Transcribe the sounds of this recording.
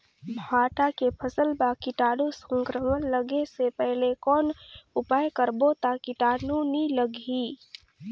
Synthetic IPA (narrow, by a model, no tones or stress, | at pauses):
bʱaːʈakepʰəsəlbakiʈaːnusə̃ŋkɾəmənləɡesepɛɦlekɔːnʊpaːjkəɾbot̪akiʈaːnuniləɡʱi